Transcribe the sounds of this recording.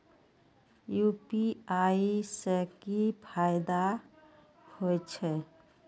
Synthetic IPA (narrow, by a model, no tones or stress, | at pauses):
jupiaisəkipʰajd̪a | hojt͡ʃʰɛ